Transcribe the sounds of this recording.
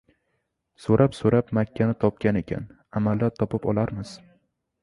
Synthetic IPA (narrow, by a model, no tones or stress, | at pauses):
soɾʔapsoɾapmakʲʰːanɪt̪ʰɒp̚kʲane̞kʲʰa̰n | amalːaɾt̪ʰɒpɪpɒ̰lˠaɾmɪz̥